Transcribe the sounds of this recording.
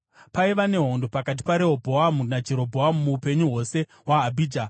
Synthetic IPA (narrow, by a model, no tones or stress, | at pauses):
paiʋane̞ɦo̞ndo̞pakat̬i̥paɾe̞ɦobʱo̞amunad͡ʒe̞ɾo̞bʱoamumuːpe̞ɲuɦo̞se̞ɦwaːbʱiːd͡ʒa